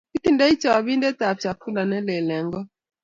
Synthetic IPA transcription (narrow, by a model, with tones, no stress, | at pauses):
ki˦t̪i˦nda˦i˦t͡ʃa˨wa˨bi˦ndɛ˦t̪a˨p̚t͡ʃa˨ku˦la˨nɛ˦lɛ˨lɛ˨ŋɡɔ˦